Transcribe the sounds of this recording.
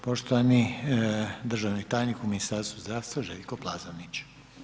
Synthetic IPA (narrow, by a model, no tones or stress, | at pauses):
po̞ʃt̪oʋani | d̪r̩ʒaʋnit̪aːjnikuminist̪aɾst̪vuzd̪ɾaʋst̪ʋaʒelʲkoplˠazonit͡ɕ